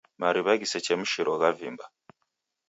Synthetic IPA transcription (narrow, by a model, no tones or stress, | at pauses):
maɾiβaɡiset͡ʃemuʃiɾoɣavḭmba